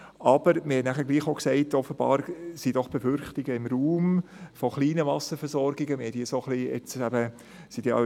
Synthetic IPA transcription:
ɑb̥əɾmɪhɛnæχəɾɡ̥liːχoʊksɛɪtɔfːəb̥ɑ̰ːɾsid̥ɔχb̥efʏɾχtɪɡəɪmɾuːmfoχliːnəvɑsəfɛɾsɔɾɡɪɡəmɪhɛd̥iːsoχliɛ̰t͡sæb̥ə | sid̥ḭː

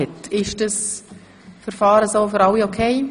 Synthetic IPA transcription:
ɛtɪʃd̥əs | fəɾfɑːɾəsoːfɨɾɑwiokʰeɪ

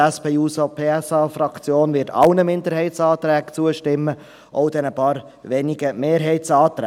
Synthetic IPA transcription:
ɛspeuːsopʰeːɛsɑːfɾɑkt͡sjoːnʋɪːtɑ̰lnəmɪnd̪əɾɦɛɪt̪sɑːt̪ɾɛːkt͡suəʃtɪmːə | ʔɔʊd̥̪ɛnəpɑːɾ | ʋɛniɡəmeːɾɦɛɪt̪sɑːt̪ɾɛ

